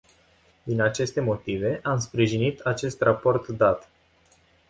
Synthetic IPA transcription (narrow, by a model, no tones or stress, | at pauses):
d̪inat͡ʃe̞st̪e̞mo̞t̪ive̞ʔamspɾiʒinit̪at͡ʃe̞st̪rapo̞rt̪d̪at̪